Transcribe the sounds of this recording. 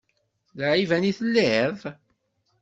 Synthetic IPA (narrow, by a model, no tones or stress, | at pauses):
lʕivæniθəlːið